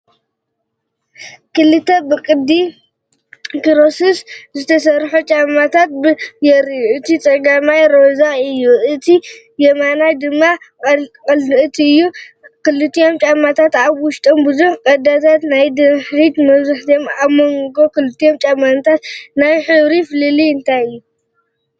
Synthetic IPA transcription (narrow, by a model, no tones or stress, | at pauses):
kɨlɨt̪ʰːɐbɨkʼɨd̪ːi | kiɾosiszɨt̪ʰɐsɐɾħot͡ʃʼamːat̪ʰat̪̚bɨjɛɾijuʔɨt̪ʰit͡sʼɐɡamajɾozaɨjːuɨt̪ʰi | jɛmanajd̪ɨmːakʼɐlɨʔɨt̪ʰiɨjːu | kɨlɨt̪ʰːijo̞mt͡ʃʼamːat̪ʰat̪aβwʊʃt̪ʼombɨzuħkʼɐd̪at̪ʰat̪najd̪ɨħɾit̪mɐβzuħt̪ʰiomaβmoŋɡo̞kɨlɨt̪ʰːijo̞mt͡ʃʼamant̪ʰat̪najħɨβɾifɨlɨliɨnt̪ʰajɨjːu